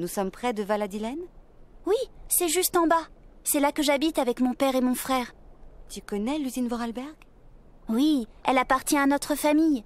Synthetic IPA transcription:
nusɔmpχɛd̪əvalad̪ilɛnwisɛʒyst̪ɑ̃basɛlakəʒabit̪avɛkmɔ̃pɛʁemɔ̃fχɛːʁt̪ykɔnɛlyzinvɔʁalbɛʁɡ | wiɛ̰lapaʁt̪jɛ̃anɔt̪χəfamij

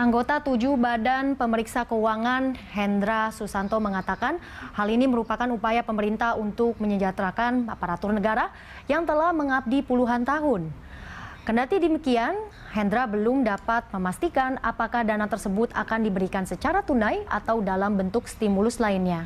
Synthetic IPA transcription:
ʔaŋɡot̪at̪ud͡ʒubadanpəməɾiksakəwaŋanhɛnd̪ɾasusant̪oməŋat̪akan | haliniməɾupakanupajapəməɾint̪ahunt̪ʊk̚məɲəd͡ʒat̪ɾakana̰paɾat̪ʊrnəɡaɾa | jaŋt̪əlahməŋab̚dipuluɦant̪aɦʊn | kəndat̪idimikian | hɛnd̪ɾabəlʊmdapat̪̚məmast̪ikana̰pakahdanat̪ərsəbʊt̪a̰kandibəɾikansət͡ʃaɾat̪unaja̰t̪awdalambənt̪ʊk̚st̪imulʊslainɲa

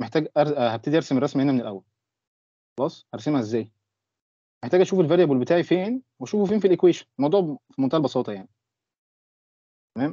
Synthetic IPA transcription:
meħt̪æːɡʔæɾhæb̚t̪ed̪iʔɑɾsemerˤːɑsmihenæmenelʔæwːæl | xɑlɑːsˤʔæɾˤsemhæʔezːæːj | meħt̪æːɡʔæʃuːfelveæɾjæbulbet̪aːʕifeːnwæʃuːfufeːnfilʔekweːʃæ̥nlmɑwd̪ˤuːʕfimont̪æːælbɑsˤɑːt̪ɑjaʕni | t̪æmæːm

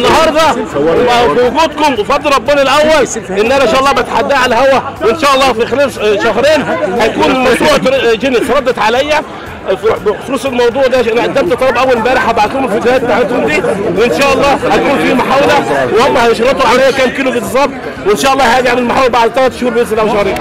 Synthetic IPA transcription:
nːɑhɑɾˤd̪ˤɑ | biwʊɡuːd̪kʊmwfɑd̪ˤːɑlɾˤɾˤɑbːenælʔæwːælʔɪnːʔænæʃæːʔɑlˤːɑːbæt̪ħad̪ːæːʕalæhæwæwɪnʃæːʔɑlˤːɑːfixelæːlʃɑɦɾeːnhæjkuːnmɑwt̪uːʕt̪ɾd͡ʒenit̪ɾˤɑd̪ːɑt̪ʕalæjːæ | fbfoɾsˤelmɑwd̪ˤuːʕd̪æʔænæʔæd̪ːæmt̪t̪ːˤɑlɑbʔæwːælbæːɾɪħhæbaʕt̪uːmelfod͡ʒ̪hæːt̪̚ːaʕet̪hʊmd̪iːwɪnʃæːʔɑlˤːɑːhækuːnfimaħaːwelæwehomːæhæjeʃɾˤɑt̪ːoʕalæjːækæːmkiːlobet̪sˤɑb̪̚ | wenʃæːʔɑlˤːɑːhææɡʕmellmaħaːwelæbaʕd̪t̪ælæt̪ʃhuːɾbjeslæwʃɑhɾeːn

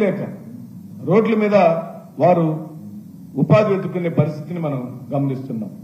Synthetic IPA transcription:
lɛːkɐ | ɾo̞ːɖlɐmiːd̪ɐ | ʋaːɾuː | paːd̪ʋeːd̪ukːune̞ːpɐɾist̪ʰit̪inimɐnɐmɡɐmɐnist̪unːa̰ːm

